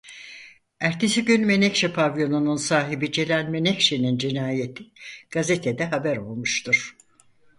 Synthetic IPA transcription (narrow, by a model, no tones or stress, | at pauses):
æɾt̪ʰesiɟynme̞nɛcʃepʰavjo̞nununsaːɦibid͡ʒe̞lʲænme̞nɛcʃenind͡ʒinaːjet̪ʰiɡ̥azet̪ʰed̪ɛɦabæɾo̞lˠmuʃt̪ʰuɾ̥